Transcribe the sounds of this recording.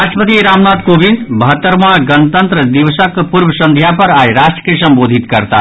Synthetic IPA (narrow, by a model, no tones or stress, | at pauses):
aʃʈɾəpət̪iɾaːmnaːt̪koːbʱinbəɦət̪ːəɾmãɡənt̪ənt̪ɾəd̪iʋsəkpuɾbəsɐ̃nd̪ʱjapɐɾajɾaːʃʈɾə̥kesɐ̃mboːd̪ʱit̪kɐɾt̪a